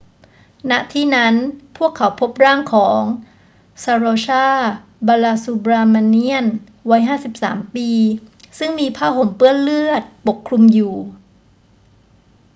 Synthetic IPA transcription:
na˦˥ʔt̪ʰiː˥˩na˦˥npʰu˥˩əkʰːa˩˦wpʰo˦˥p̚ɾaː˥˩ŋkʰɔː˩˦ŋ | saː˧ɾoː˧t͡ɕʰaː˥˩ | baː˧laː˧suː˧bɾaː˧ma˧ni˥˩ən | wa˦˥jɦaː˥˩si˨˩p̚sa̰ː˩˦mpiː˧ | sɯ˥˩ŋmiː˧pʰaː˥˩ɦo˨˩mpɯ˥˩ənlɯ˥˩ət̪̚po˨˩kʰːɾu˧mjuː˨˩

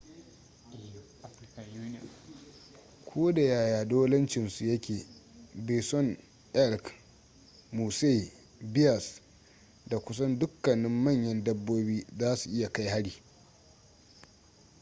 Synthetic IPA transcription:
kʷʰoː˦da˨jaː˨jaː˨doː˦lɐ˦nt͡ʃɪ˨nsu˨jɐ˦kʲeː˨biː˨sɔ˦n | ʔɛ˦˨ɾk | muː˨se˦˨ | bɪ˦jɐ˨s | da˨kʷʊ˦sɐ˦ndʊ˦kːɐ˨nɪ˦mːɐ˦˨ɲjɐ˦ndɐ˦bːoː˦biː˦zaː˦su˨ʔɪ˦ja˨ka˦jha˦ɽiː˨

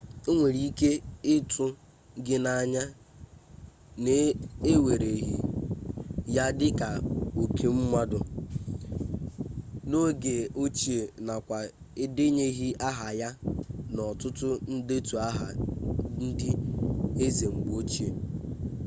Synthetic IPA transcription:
o˦ŋʷe˨ɾi˦ke˦ɪ˦tʊ˦ | ɡɪ˦na˨ɲa˦ | ne˨e˦we˨ɾe˨ɦi˨ | ja˦dɪ˦ka˨o˨kʰe˦m̩˦mʷa˦dʊ˨ | no˦ɡe˨o˦t͡ʃi˦e˨na˨kʷa˨ | e˦de˦ɲe˦ɦi˦ʔa˦ɦa˨ja˦nɔ˨tʊ˦tʊ˦n̩˦de˦tu˨a˦ɦa̰˨n̩˦dɪ˦e˦ze˨ŋ͡m̩˨ɡ͡bo˦t͡ʃi˦e˨

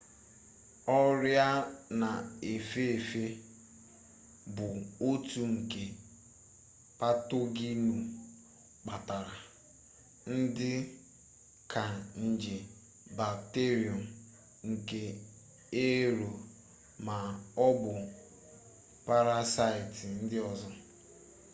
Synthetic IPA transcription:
ɔ˦ɾja˦na˨e˨fe˦e˨fe˦ | bʊ˨o˦tu˦ŋ̩˨ke˨ | pa˦to˦ɡi˦nu˨ | k͡pa˨ta˨ɾa˨ | n̩˦dɪ˦ | kʰa˨n̩˨d͡ʒe˨ | ba˨kte˦ɾi˨ɔ˨m̩ | ŋ̩˨ke˨ | e˦ɾo˨ | ma˨ɔ˦bʊ˨ | pa˦ɾa˦sa˦ɪ˨tɪ˨n̩˦dɪ˦ɔ˦zɔ˦

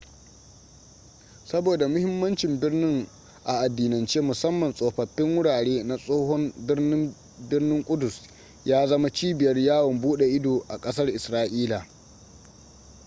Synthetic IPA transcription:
sɐ˦boː˨da˨mʊ˦hɪ˦mːɐ˦nt͡ʃɪ˨mbɪ˦rnɪ˦ŋ | ʔa˨ʔa˨dːiː˨nɐ˨nt͡ʃeː˦mʊ˨sɐ˦mːɐ˨nsʼoː˨ɸɐ˨ɸːɪ˦ŋwʊ˦ɽaː˨ɽeː˦na˨sʼoː˦ɦɔ˦mbɪ˦rnɪ˦m | bɪ˦rnɪ˦ŋkʷʼʊ˦dʊ˨s | jaː˦zɐ˦ma˦t͡ʃiː˦bɪ˨jɐ˦rjaː˦wɔ˨mbuː˦ɗe˨ʔɪ˦doː˨ʔa˨kʼɐ˦sɐ˦rʔɪ˨sɾaː˦ʔiː˦la˨

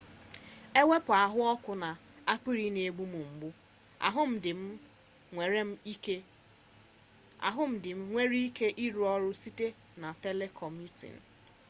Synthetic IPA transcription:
e˦we˦pʊ˨a˨ɦʊ˦ɔ˦kʷʊ˨na˨a˦k͡pi˦ɾi˦ne˨e˦ɡ͡bu˦mu˨ŋ͡m̩˨ɡ͡bʊ̰˦˨ | ɦʊ˦m̩˦ɪ˨m̩˦˨ | ɾe˦m̩˦ | a̰˨ɦʊ˦m̩˦dɪ˨m̩˦ŋʷe˦ɾi˦i˦ke˦ʔi˦ɾu˨ɔ˦ɾʊ˦si˦te˦ | na˨te˦le˦kʰɔ˨m˦u˦tḭ˨n̩˨

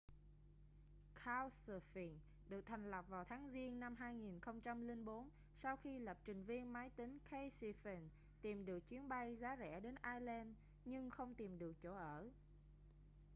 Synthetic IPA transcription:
kʰaː˧wsə˨˩fi˨˩n | ɗɨ˨˩ək̚t̪ʰa˨˩ŋ̟lə˨˩p̚vaː˨˩wt̪ʰaː˨˦ŋzi˧ənːa˧mɦaː˧jŋi˨˩nxə˧wŋ͡mt͡ɕa˧mli˧ŋɓo˨˦n | sa˧wxi˧lə˨˩p̚t͡ɕï˨˩ŋ̟vi˧ənmaː˨˦jt̪ï˨˦ŋ̟kʰə˧jsi˧fɛ˧˩n | t̪i˨˩mɗɨ˨˩ək̚t͡ɕwi˨˦ənɓa˧jzaː˨˦zɛ̰˧˩˥ɗe˨˦nʔaː˧jlɛ˧n | ɲɨ˧ŋxə˧wŋ͡mt̪i˨˩mɗɨ˨˩ək̚t͡ɕo˧˩ʔəː˧˩

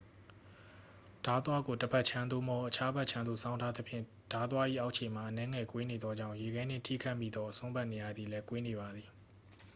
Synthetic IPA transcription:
d̥a˨˦t̪wa˦ɡo˨təbɛ˦ʔt͡ɕʰã˦nd̪o˦˨mɔ˦ʔət͡ɕʰa˦bɛ˦ʔt͡ɕʰã˦nd̪ṵ˦˨sʰã˦ʊ̃ntʰa˦d̪ə˦pʰjɪ̰̃˦˨ | d̥a˨˦t̪wa˦ʔḭ˦˨ʔa˦ʊʔʰẽ˨ma˨ʔənɛ̃˦ŋɛ˨kwe˦ne˨d̪ɔ˦d͡ʑã˦˨je˨ɡɛ˨˦n̥ɪ̰̃˦˨tʰḭ˦˨kʰa˦ɪmːḭ˦˨d̪ɔ˦ʔəsʰõ˦mba˦ʔne˨ja˨d̪i˨lɛ˦kwe˦ne˨ba˨d̪ði˨

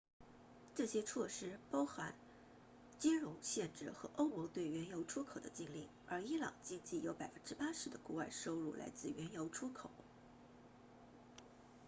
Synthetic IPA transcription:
ʈ͡ʂɤ˥˩ɕjɛ˥t͡sʰwɔ˥˩ʂɻ̩˥pɑ˥ʊxa˧˥n | t͡ɕi˥nɻʊ˧˥ŋɕjɛ˥˧nʈ͡ʂɻ̩˥˩xɤ˧˥ʔo˥ʊmɔ˧˥ŋt̪we˥˩ɪɥɛ˧˥njo˧˥ʊʈ͡ʂʰu˥kʰo˨˩ʊd̪ə̰˦t͡ɕi˥˧ŋli˥˩ŋə˞˧˥i˥lɑ̰˨˩ŋt͡ɕi˥˧ŋt͡ɕi˥˩jo˧˥ʊpa˨˩ɪfə˥˧nʈ͡ʂɻ̩˥pa˥ʂɻ̩˧˥d̪ə˧ku˥˧wa˥˩ɪʂo˥ʊɻṵ˥˩lʔa̰˧˥ɪt͡sɹ̩˥˩ɥɛ˧˥njo˧˥ʊʈ͡ʂʰu˥kʰo˨˩˦ʊ

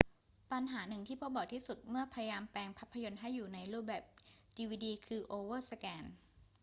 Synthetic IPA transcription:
pa˧nɦaː˩˦nɯ˨˩ŋt̪ʰiː˥˩pʰo˦˥bɔː˨˩t̪ʰiː˥˩su˨˩t̪̚mɯ˥˩ɐpʰa˧ja˧jaː˧mpɛː˧ŋpʰa˦˥pʰːa˧jo˧nɦa˥˩jːuː˨˩na˧jɾuː˥˩p̚bɛː˨˩p̚diː˧wiː˧diː˧kʰɯː˧ʔoː˧wɤː˥˩sa˧kɛː˧n

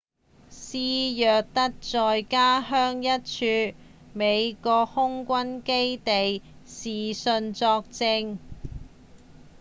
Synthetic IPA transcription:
siː˧˥jœː˨k̚t̪ɐ˥k̚t͡sɔː˨jkaː˥ɦœː˥ŋjɐ˥t̚t͡ʃʰyː˧ | me˨˧jkɔː˧k̚hʊ˥ŋkʷɐ˥nke˥jt̪e˨jsiː˨˩sɵ˧nt͡sɔː˧k̚t͡sɪ˧ŋ

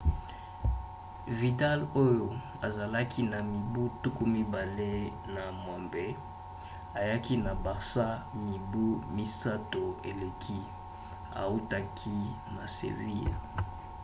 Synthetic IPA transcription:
vi˨ta˦lo˦jo˨ | a˨za˨la˦kʰi˦na˨mi˨bu˦tu˦ku˦mi˦ba˨le˦ | na˨mwa˨mbe˦ | a˨ja˦ki˦na˨ba˨ʁsa˦mi˨bu˦mi˦sa˦to˨e˨le˨kʰi˦ | a̰˨u˦ta˦kʰi˦na˨sḛ˨vi˦j

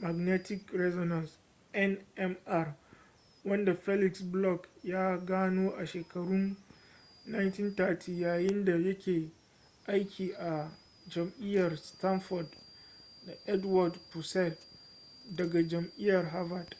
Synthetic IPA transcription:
ma˨ɡnɛ˦tɪ˦kɾɛ˦zɔ˨nɐ˨ns | ʔɛ˦nʔɛ˦mʔa˦r | wɐ˦nda˨ɸɛ˦lɪ˨ksblɔ˦kjaː˦ɡaː˦noː˦ʔa˨ʃeː˨kɐ˨ɽʊ˦nː | a˦jnti˦nta˦tʰiː˨jaː˨jɪ˦nda˨jɐ˦kʲeː˨ | ʔa˦jkʲʰiː˨ʔa˨ | d͡ʒɐ˨mʔɪ˦jːɐ˨rsta˦nfɔ˨rdda˨ʔɛ˦dwa˨dpu˨sɛ˦˨t | dɐ˨ɡa˨d͡ʒɐ˨mʔɪ˦jɐ˨rɦa˦va˨d

